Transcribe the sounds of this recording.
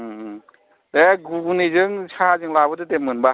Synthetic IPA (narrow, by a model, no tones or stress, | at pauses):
deɡunizɯŋsʰazɯŋlabɯdɯtemɯnba